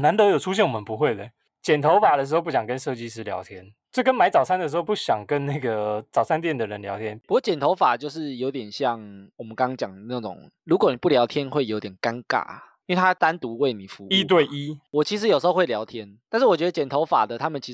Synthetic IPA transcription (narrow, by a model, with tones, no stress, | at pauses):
na˧˦nt̪ɤ˧˦jo˨˩ʈ͡ʂʰu˦ɕjɛ˥˩nwɔ˨˩mə˨˦npu˧˦xwe˥˩ɪd̪ə˨˩ | t͡ɕjɛ˨˩nt̪ʰo˧˥ʊfa˨˩d̪ə˩ʂɻ̩˧˥o˥˧p̬u˥˩ɕjɑ˨˩ŋkə˦nʂɤ˥˧t͡ɕi˦ʂ̬ɻ̩˧˥ljɑ̰˧˥ʊt̪ʰjɛ˦n | t͡ɕɪkə˦nma˧˥ɪt͡sɑ˨˩ʊsʰa˥nd̪ə˨ʂ̬ɻ̩˧xo˥˧ʊpu˥˩ɕjɑ˨˩ŋkə˦nna˥˩ɪɡə˩t͡sɑ˨˩ʊsʰa˥nt̪̬jɛ˥˩nd̪ə˨ɻə˧˦nljɑ˧˥ʊt̪ʰjɛ˦nu˧kwɔ˥˩t͡ɕjɛ˨˩nt̪ʰo˧˥ʊfa˨˩t͡ɕjo˥˧ʊʂ̬ɻ̩˥˩jo˧ʊt̪jɛ˨˩nɕjɑ˥˨ŋwɔ˨˩mə˦nkɑ˥˦˥ŋt͡ɕjɑ˨˩ŋna˥˩ʈ͡ʂʊ̰˨˩˦ŋ | lu˧˥k̬wɔ˨˦ni˨˩pu˥˩ljɑ˧˥ʊt̪ʰjɛ˦˥nxwe˥˩ɪjo˧˦ʊt̪jɛ˨˩nka˦nka̰˥˩i˥we˥˩t̪ʰa˥t̪a˦nt̪u˧˥we˥˩ɪni˨˩fu˧˦i˦t̪̬we˥˨˩ɪʔi˦wɔ˨˩t͡ɕʰi˧˥ʂ̬̩˧˦jo˨˩ʂ̩˧˥o˥˧we˥˩ljɑ˧˥ʊt̪ʰjɛ˦nt̪a˥˧nʂ̬̩˥˩wɔ˨˩t͡ɕɥd̪ə˧˨t͡ɕjɛ˨˩nt̪ʰo˧˦ʊfa̰˨˩d̪ə˦t̪ʰa˥mə˨nt͡ɕʰi˧˥